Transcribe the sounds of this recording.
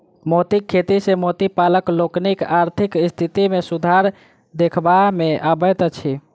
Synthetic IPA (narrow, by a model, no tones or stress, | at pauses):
mot̪ikʰːet̪isemot̪ipaləkloknikaɾt̪ʰikist̪ʰit̪imesud̪ʱaɾ | d̪ekʰbameʔabət̪t͡ʃʰi